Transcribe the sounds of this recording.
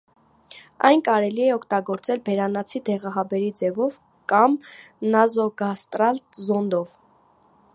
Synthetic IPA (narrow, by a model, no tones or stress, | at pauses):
ɑ̰jnkɑɾɛliɛɔkʰt̪ɑɡɔɾt͡sɛlbɛɾɑnɑt͡sʰid̪ɛʁɑɦɑbɛɾid͡zɛvɔv | kɑm | nɑzɔɡɑst̪ɾɑlt̪zɔnd̪ɔv